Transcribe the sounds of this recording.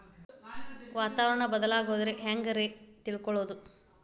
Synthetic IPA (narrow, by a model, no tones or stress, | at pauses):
ʋaːt̪aːʋɐɾɐɳɐbɐd̪ɐlaːɡoːd̪ɐɾeɦaːŋɡɐɾet̪iɭkɔɭoːd̪u